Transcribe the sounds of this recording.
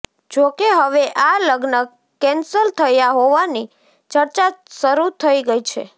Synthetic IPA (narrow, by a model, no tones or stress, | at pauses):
d͡ʒokeɦəʋeʔaləɡnə | kːɛnsəlt̪ʰəjaɦoʋani | t͡ʃəɾt͡ʃaʃəɾut̪ʰəiɡəit͡ʃʰe